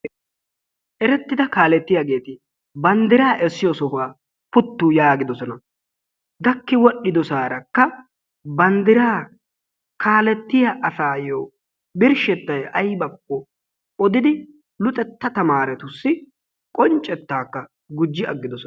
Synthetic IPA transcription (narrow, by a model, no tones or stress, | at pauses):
ʔɛɾɛt̪ːɪd̪ɐkaːlɛt̪ːɪjaɡe̞ːt̪ɪ | bɐnd̪ɪɾaːʔɛsːɪjɔsɔhaː | pʊt̪ːuːjaːɡɪd̪ɔsɔnɐ | ɡ̪ɐkːɪwɔɗːɪd̪ɔsaːɾɐkːɐ | bɐnd̪ɪɾaː | kʰaːlɛt̪ːɪjɐʔɐsaːjoː | bɪɾʃɛt̪ːɐjʔɐjbɐkːɔ | ɔd̪ɪd̪ɪ | lʊt̪ʼɛt̪ːɐt̪ɐmaːɾɛt̪ʊsːɪ | kʼɔnt͡ʃʼːɛt̪ːaːkːɐ | ɡʊd͡ʒːɪʔɐɡːɪd̪ɔsɔ